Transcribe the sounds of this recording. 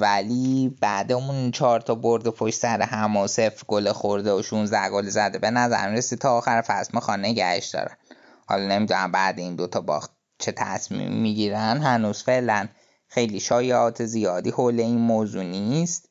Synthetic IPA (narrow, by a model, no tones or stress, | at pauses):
væliːb̥æd̪eunt͡ʃʰɒːɾt̪ʰɒboɾd̪epʰoʃtsæɾehæmosefɾɡolexoɾd̪eoʃunzd̪æhɡolezæd̪ebe̞næzæ̰ɾmiɾesid̪̥̚t̪ʰɒːxæɾefæsmixɒːneɟæ̰hḛʃd̪ɒ̰ɾæn | hɒ̰lɒne̞mid̪unæmbæːd̪eind̪o̞t̪ʰɒbɒ̰ːxt̪̚ | t͡ʃʰet̪ʰæsmḭmːiɟiːɾænd̪ɦænuːz̥fe̞ʔlæn | xe̞jliʃɒːjeɒːt̪ʰe̞zijɒːd̪iːhole̞inmoːzuːniːst̪